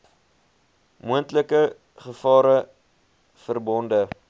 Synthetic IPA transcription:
muəntləkə | χəfɑːɾə | fərbɔndə

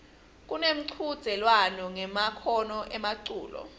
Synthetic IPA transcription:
k̬ʼunem̩ǀʰud̥z̥ʱɛlwanɔŋɛmakʰɔnɔʔɛmaǀṵːlɔ̰

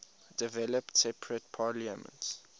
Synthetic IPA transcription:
d̥ivɛləptsɛpʰɹət̚pʰaliəmə̰̃nts

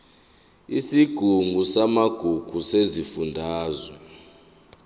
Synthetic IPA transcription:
isiɡ̥ʱuŋʱusamaɡ̥ʱuɡ̥ʱusezifundʱaːzwɛ

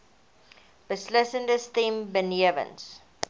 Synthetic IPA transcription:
b̥əslɪsə̃ndəst̪ĩmbəniəvə̰̃ns

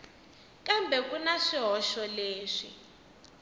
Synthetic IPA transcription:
kambʱɛkunaʂiɦɔʃɔleːʂḭ

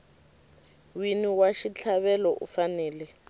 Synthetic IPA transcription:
winiwaʃit͡ɬʰaβɛlɔʔṵfanɛːlɛ

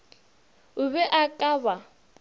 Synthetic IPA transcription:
ʊβɛʔakʼaβa

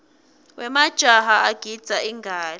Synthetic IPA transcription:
wɛmad̥ʒ̥ʱaɦaaɡ̥ʱid̥z̥ʱaiŋɡʱaːli

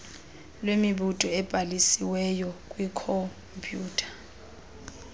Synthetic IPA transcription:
lwemiɓutʼɔɛb̥ʱalisiwɛjɔkʼwikʰɔ | mpʰʼjuːtʰḁ

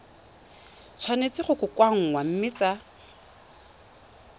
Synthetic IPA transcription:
t͡sʰwanet͡sɪχʊkʼʊkʼwaŋ̩wam̩mɪt͡sa

